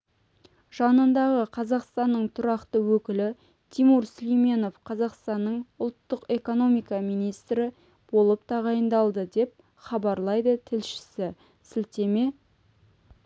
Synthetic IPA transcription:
ʒ̥ɑnənd̪ɑʁəqʰɑzɑqst̪ɑnːəɴt̪ʰʊɾɑqt̪əwɵkʲɪlɪ | t̪ʰimuɾslijme̞no̞fqʰɑzɑqst̪ɑnːəɴʊlˠt̪ːəqe̞ko̞no̞mijkɑmijnijst̪ɾɪ | b̥o̞lˠəp̚t̪ʰɑʁɑjənd̪ɑlˠd̪əd̪e̞p̚ | χɑbɑɾlˠɑjd̪ət̪ʰɪlʃɪ̥sɪ | sɪlt̪e̞me

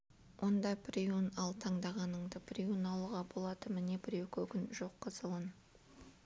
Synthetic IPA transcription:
wʔo̞nd̪ɑpʰɾʲiunɑlˠt̪ʰɑɴd̪ɑʁɑnəɴd̪əpʰɾʲiunɑlˠuʁɑbo̞lˠɑd̪əmɪnebɪɾe̞wkʲʰɵkʲɪnʒo̞qːəzəlˠən

